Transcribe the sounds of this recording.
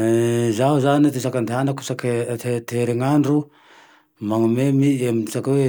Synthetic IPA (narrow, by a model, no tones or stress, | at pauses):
zawzanet̪isakand̪anaku̥saketeteɾeŋanɾu | maŋamemiemsako